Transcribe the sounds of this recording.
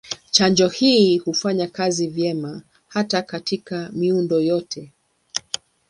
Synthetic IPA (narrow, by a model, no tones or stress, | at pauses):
t͡ʃaɲd͡ʒɔhiːhufaɲakazivjɛma | hatakatʰikamiundɔjɔtʰɛ